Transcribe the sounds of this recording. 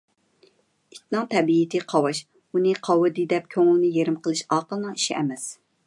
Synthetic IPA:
it̪nɑŋt̪ʰɛbiit̪ʰɪqʰɑwɑʃ | unɨqʰɑwɨd̪ɨd̪ɛp̚kʲʰøŋɪlˠnɪjeɾɪmqʰəlˠɨʃɑːqəlˠnɑi̥ʃiʔɛmɛs

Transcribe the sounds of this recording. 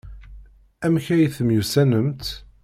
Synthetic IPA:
æmçæjθəmjusænəmt̪

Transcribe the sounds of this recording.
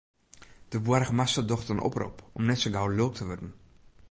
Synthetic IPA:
d̥əʋuəɾəχəmasədɔχtənʔɔ̰pro̰pɔmnɛtsoɡawløk̚tʰəʋɔdən̩

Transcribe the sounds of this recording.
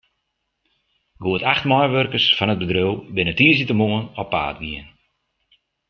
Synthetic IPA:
ɡoətaxtmɔjʋørkərsfɔnət̚bədrøwbɪnətiəsitəmoənɔpːa̰ːtʋiən

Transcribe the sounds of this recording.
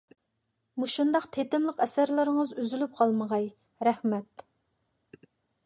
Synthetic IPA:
muʃund̪ɑqt̪ʰet̪ɪmlˠəqɛsæɾlˠɨɾəŋəzyzylyp̚qʰɑlˠməʁɑj | ɾɛhmɛt̪

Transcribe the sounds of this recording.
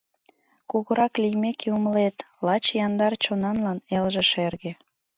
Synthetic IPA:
koɣoɾɑklijmekʰeuməlet̪ | lɑt͡ɕjɑnd̪ɑrt͡ɕonɑnlɑnelʒĕʃerɣe

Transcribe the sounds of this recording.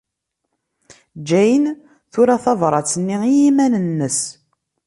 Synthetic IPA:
d͡ʒæjən | θʊɾaθɑvɾˤɑt͡sːənːiijimænənːəs

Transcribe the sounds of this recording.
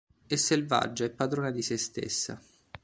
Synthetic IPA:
esːelva̰d͡ʒːaɛpːad̪ɾoːnad̪isest̪ḛsːa̰

